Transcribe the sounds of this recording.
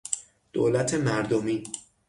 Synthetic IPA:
d̪̥o̰ːlæt̪ʰe̞mæɾd̪omiː

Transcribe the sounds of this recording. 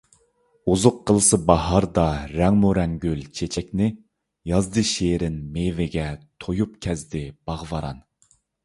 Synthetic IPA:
uzʊqʰːəlˠɨsɨbɑɦɑɾd̪ɑɾɛŋmuɾɛŋɡʲylt͡ʃʰet͡ʃʰɛk̚ʲnɪ | jɑzd̪ɨʃeːɾɪnmevɪɡʲɛt̪ʰojupkʲʰɛzd̪ɪb̥ɑʁvɑɾɑ̰n

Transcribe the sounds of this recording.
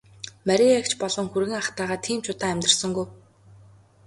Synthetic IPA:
mæɾʲiekt͡ɕpɔɮɞ̆ŋxurɣɘ̆ŋaχt̪æːʁaːt̪ʰiːmt͡ɕʰʊt̪aːæmʲt̪rə̆rsɞ̆ŋɡuj

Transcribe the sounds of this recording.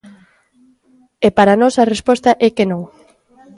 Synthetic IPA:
epaɾanɔsɐrespɔst̪ɐʔɛkenõŋ

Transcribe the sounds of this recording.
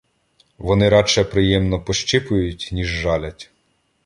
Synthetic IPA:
ʋɔnɪɾɑt͡ʃɛpɾɪjɛmnɔpɔʃt͡ʃɪpʊjʊtʲnʲiʒːɑlʲɐtʲ

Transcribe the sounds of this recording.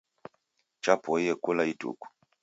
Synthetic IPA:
t͡ʃapɔiɛkolaitṵku̥

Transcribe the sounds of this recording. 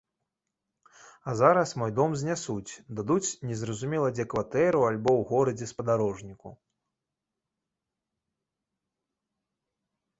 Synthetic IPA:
azaɾɐsmɔjd̪ɔmzʲnʲasut͡sʲd̪ad̪ut͡sʲnʲɛzɾɐzumʲɛlˠɐd͡zʲɛkvat̪ɛɾualʲbɔwɣɔɾɐd͡zʲɛspɐd̪aɾɔʐnʲikṵ

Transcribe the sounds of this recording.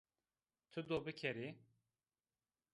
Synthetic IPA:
t̪ʰɨd̪obɨkʰɛɾi

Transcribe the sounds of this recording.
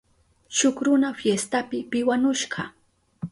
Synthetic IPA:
ʃʊkɾʊnafjest̪apɪpɪwanʊʃɢɑ

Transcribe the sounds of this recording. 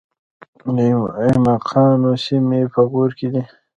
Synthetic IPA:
imaqʰɑːnosimepʰəɣuɾked̪i

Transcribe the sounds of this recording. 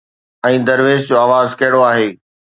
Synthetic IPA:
ɛ̃ːd̪ɐɾʋeːzd͡ʑoaːʋaːzkɐɦɪɽoaːɦeː

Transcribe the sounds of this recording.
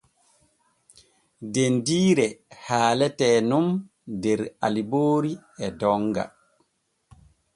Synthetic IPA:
dendiːɾɛhaːlɛtɛːnum | dɛɾa̰liboːɾiɛdɔŋɡa̰

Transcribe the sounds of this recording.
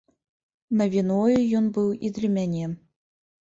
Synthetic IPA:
nɐvʲinɔjujɔnbɨwid̪lʲɐmʲanʲɛ

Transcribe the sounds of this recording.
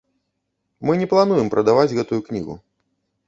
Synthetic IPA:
mɨnʲɛplˠanujɛmpɾʔɐd̪avad͡zʲɣɛt̪ujuknʲiɣṵ

